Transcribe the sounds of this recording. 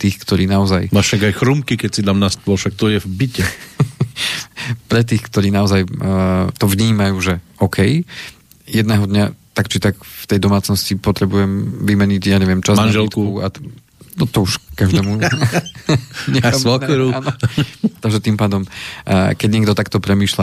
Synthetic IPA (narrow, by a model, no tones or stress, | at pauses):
t̪iːxkt̪ɔɾiːnaɔzajmaːʃaɡajxɾumkikɛcsid̪amnast̪̚ɔʃak̚t̪ɔjɛvbicɛ | pɾɛt̪̬iːxkt̪ɔɾiːnaɔzajt̪ɔvɲiːmajuːʒɛɔkʰɛj | jɛd̪nɛːɦɔd̪ɲat̪akt͡ʃit̪aɡft̪ɛjd̪ɔmaːt͡snɔscipɔt̪ɾɛbujɛmʋimɛɲiɟjaːɲɛʋɪɛmt͡ʃazmanʒɛlk̪kukua | nɔt̪ɔuʃkaʒd̪ɛːmu | ɲɛasɔɾuaːnɔt̪aɡʒɛt̪impaːd̪ɔmkɛɟɲɛɡd̪ɔt̪akt̪ɔpɾɛmiːʃla